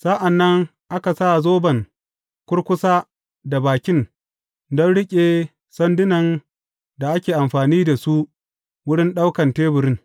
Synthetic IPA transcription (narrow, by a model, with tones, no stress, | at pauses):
sa˦ʔa˨nːɐ˦ŋ | ʔa˦ka˨sa˦zoː˦bɐ˨ŋ | kʷʊ˦ɽkʷʊ˦saː˦ | da˨baː˨kʲɪ˦n | dɔ˦nɽɪ˦kʲʼe˨ | sɐ˦ndɪ˦nɐ˨n | da˨ʔa˦kʲeː˨ʔa˨mɸaː˨niː˦da˨su˦ | wʊ˦ɽɪ˦nɗa˦wkɐ˨nteː˦bʊ˨ɾɪ˦ŋ